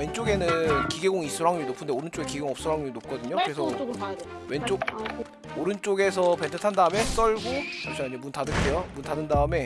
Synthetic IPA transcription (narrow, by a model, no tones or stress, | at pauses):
we̞nt͡ɕ͈oɡe̞nɯnkiɡe̞ɡoŋis͈uɾaŋɲuinopʰɯndeoɾɯnt͡ɕ͈oɡe̞kiɡe̞ɡoŋʌp̚s͈ɯɾaŋɲuinop̚k͈ʌdɯɲokɯɾe̞s̬ʰʌ | went͡ɕ͈oɡ̚ | oɾɯnt͡ɕ͈oɡe̞sʰʌpe̞ntʰɯtʰandaɯme̞s͈ʌɭɡot͡ɕʰamɕ͈ʰiaɲd͡ʑemuntʰadɯkʰe̞jomuntʰadɯndaɯme̞